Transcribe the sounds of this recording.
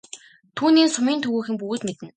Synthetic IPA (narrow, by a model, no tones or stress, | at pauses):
t̪ʰuːniːnsʊmiːnt̪ʰɵɣuːxɘ̆mpɵɣɘ̆ːt̪met̪ɘ̆n